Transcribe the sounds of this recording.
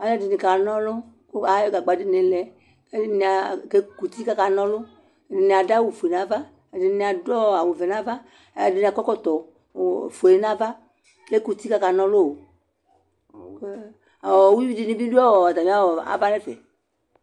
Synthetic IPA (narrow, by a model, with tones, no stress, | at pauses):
a˨jɛ˦di˨ni˨ka˨nɔ̃˦lo˦ | ko˦a˨˦jɔ˦ɡa˨ɡ͡ba˨di˦nẽ˨lɛ˨ | e˦i˦ni˨a˨ke˦ku˨t̪i˦ka˦ka˨nɔ̃˦lʊ˦˨ | di˨nĩ˨a˨da˦wo˨fo˨e˨nã˦va˦ | e˨di˨˦nĩ˨a˨dɔ˦a˨wo˨vɛ˨nã˦va˦˨ | di˨nĩ˨a˨kɔ˦kɔ˦t̪ɔ˨ | fo˨e˨˦nã˦va˦ | ke˦ku˨t̪i˦ka˦ka˨nɔ̃˦lo˦wo˨ | ke˦ | a˨wɔ˨wu˦i˦wi˦di˨nĩ˦bi˦du˦ɔ˦wɔ˨a˨d̪a˨mĩ˨˦a˦wɔ˨a̰˨va˦lɛ˦fɛ̰˨